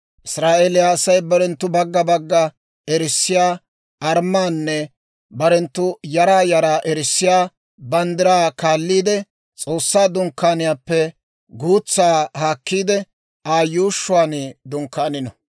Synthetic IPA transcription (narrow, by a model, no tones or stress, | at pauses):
ʔɪsɾaːʔeːlɪjaːsɐjbɐɾɛnt̪ːʊbɐɡːɐbɐɡːɐ | ɛɾɪsːɪjaː | ʔɐɾmːaːnːɛ | bɐɾɛnt̪ːʊjɐɾaːjɐɾaːʔɛɾɪsːɪjaː | bɐnd̪ɪɾaːkaːlːiːd̪ɛ | t͡sʼo̞ːsːaːd̪ʊŋkːaːnɪjaːpːɛ | ɡuːt͡sːaːhaːkːiːd̪ɛ | aːjuːʃːʊwaːnɪd̪ʊŋkːaːnɪnɐ